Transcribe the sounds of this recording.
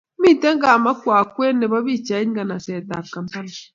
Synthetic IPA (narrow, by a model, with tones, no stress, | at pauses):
mi˦tɛ˦ŋɡa˨ma˦kwa˨kwɛ˦nɛ˨βa˦βi˦˨t͡ʃa˨i˦ŋɡa˨na˨sɛ˨ta˨ka˨mta˦na˨